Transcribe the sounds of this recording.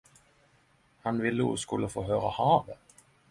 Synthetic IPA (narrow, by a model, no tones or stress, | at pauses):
hanvɪlːəṵskɵlːəfoːɦøːɾahɑːvə